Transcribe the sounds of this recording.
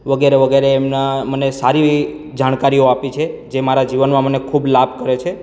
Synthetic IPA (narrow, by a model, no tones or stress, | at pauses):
ʋəɡeɾeʋəɡeɾeːmnamənesaɾi | d͡ʒaɽ̃kaɾioapit͡ʃʰed͡ʒemaɾad͡ʒiʋənmãmənekʰublabʱkəɾet͡ʃʰe